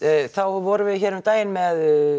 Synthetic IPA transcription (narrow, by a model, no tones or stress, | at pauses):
θawvɔɾʏvɪðçɛːɾʏmt̪aːjɪnmɛð